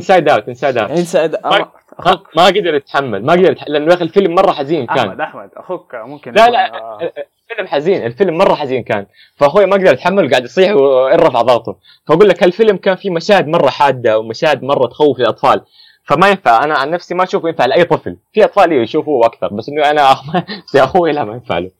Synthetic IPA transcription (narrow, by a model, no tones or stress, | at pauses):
ɪnsaːjd̪aːwat̪ʔɪnsaːjd̪aːwɪnsad̪ma | mmaɡad̪ɑɾˤɪt̪ħamːalmaʔɡd̪ɑɾˤt̪ħlɪʔanːlaːxlfɪlmːɑrˤːɑħaziːnkaːnd̪ | lala | lfɪlmħaziːnʔɪlfɪlmːɑrˤːɑħaziːnkaːn | faɦoːjmaʔaɡd̪ɑɾˤʔat̪ħamːalwɡaːʕɪd̪ʔɑsˤiːħuwʔɑɾɾɑfʕðˤɑɣt̪ʊ | faʔaɡuːlːakhalfɪlmkaːnfimaʃaːhɪd̪mɑrˤːɑħaːd̪ːawmaʃaːhɪd̪mɑrˤːɑt̪xawːɪflɪlʔɑt̪ˤfɑːl | famajɪnfaʕʔanaʕanːafsimaʔaʃuːfjɪnfaʕlʔajːt̪ˤɨflfiʔɑt̪ˤfɑːlʔiːwjʃuːfuʔakθɑ̰ɾˤbasʔɪnːuʔanaʔmajaʔaxuːjalaʔmajɪnfa̰ʕlu